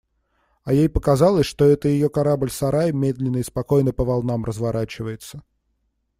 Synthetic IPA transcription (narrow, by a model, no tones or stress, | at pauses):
ɐjejpəkɐzalˠəsʲʂt̪o̞ɛt̪əjɪjokɐɾablʲsɐɾajmʲed̪lʲɪnːəɪspɐko̞jnəpəvɐlˠnamrʔəzvɐɾʔat͡ɕɪvəjɪt̪sə̥